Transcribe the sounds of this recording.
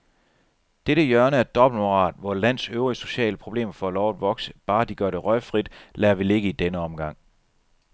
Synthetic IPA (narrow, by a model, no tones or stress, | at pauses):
d̥eɾəjɶɐnəæɐd̥ɒ̽b̥l̩moʁɑ̰̈ːd̥ʋɒlæn̰søʊʁiso̝ɕɛ̰ːləpʰʁo̝b̥le̝̰ːmɐfɒ̰ælɒʊæd̥ʋɒ̽ɡ̥sə̥b̥ɑ̈ːd̥iɡ̥ɶɐɾ̥e̝ʁœɪfʁid̥læːɐʋile̝ɡ̥əid̥enəɒ̽mɡ̥ɑ̈ŋ̰